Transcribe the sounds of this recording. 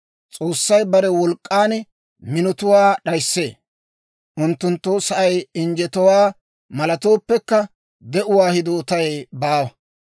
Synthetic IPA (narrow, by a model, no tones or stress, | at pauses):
t͡sʼo̞ːsːɐjbɐɾɛwɔlkʼːaːn | mɪnɔt̪ʊwaːɗɐjsːe̞̰ː | ʔʊnt̪ːʊnt̪ːoːsɐʔɐjɪnd͡ʒɛt̪ɔwaː | mɐlɐt̪o̞ːpːɛkːɐ | d̪ɛʔʊwaːhɪd̪oːt̪ɐjbaːwɐ